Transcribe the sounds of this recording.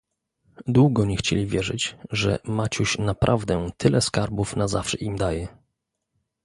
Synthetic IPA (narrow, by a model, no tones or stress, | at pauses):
d̪wuɡɔɲɛxt͡ɕelʲivʲjɛʐɘd͡ʑʐɛ̰mat͡ɕuɕnapɾʔavd̪ɛt̪ʰɘlɛskaɾbufnazafʂɛ̰ʔimd̪ajɛ